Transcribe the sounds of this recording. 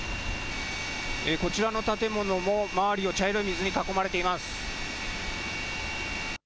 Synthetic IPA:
eko̞t͡ɕiɾano̞t̪at̪e̞mo̞no̞mo̞maβaɾʲio̞t͡ɕaeɾɯimʲizɨɲ̟ikako̞maɾe̞t̪e̞imasɨ̥

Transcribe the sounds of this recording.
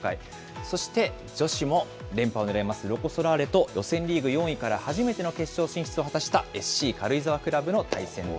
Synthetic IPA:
ka̰i | so̞ɕi̥t̪e̞ | d͡ʑo̞ɕimo̞ | ɾẽ̞mpao̞neɾaemasɨɾo̞ko̞so̞ɾaːɾe̞t̪o̞jʔo̞sẽ̞nɾʲiːɡɯ̟jõ̞ɰ̃ikaɾahaʑime̞t̪e̞no̞ke̞ɕɕo̞ːɕĩɰ̃çi̥t͡sɨo̞ɦat̪aɕi̥t̪ae̞sɨ̥ɕiːkaɾɯ̟izaβakɯ̟ɾabɯno̞t̪ʰaisẽ̞ŋo

